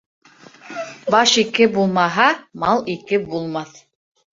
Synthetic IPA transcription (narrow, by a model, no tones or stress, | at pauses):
bɑʃikɘbulˠmɑɦɑmɑlˠikɘbulˠmɑθ